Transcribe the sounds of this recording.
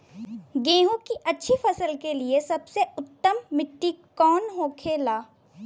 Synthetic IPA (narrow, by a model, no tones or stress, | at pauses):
ɡẽːɦõkiʔɐtːʃʰifɐsəlkeliesɐbseʊt̪ːəmːɪʈːikɔːnɦoːkʰeːlaː